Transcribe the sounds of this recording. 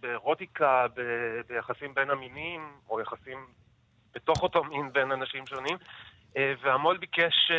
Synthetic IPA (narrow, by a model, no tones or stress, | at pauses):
beʁo̞tikabebejaχasimbe̞naminimojaχasim | b̥eto̞χotominbenanaʃimʃo̞nim | eveamolbikeʃ